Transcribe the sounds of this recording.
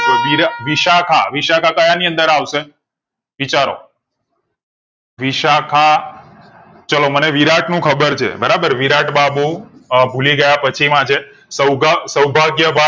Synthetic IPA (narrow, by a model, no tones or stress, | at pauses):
oʋiɾaʋiʃakʰa̰ʋiʃakʰakəjaniə̃nd̪əɾaʋʃe | ʋit͡ʃaɾo̰ | ʋiʃakʰa | t͡ʃəloməneʋiɾaʈnũkʰəbəɾt͡ʃʰḛbəɾabəɾʋiɾaʈbabobʱuliɡəjapət͡ʃʰimãt͡ʃʰe | səwɡasəwbʱaɡjəbʱa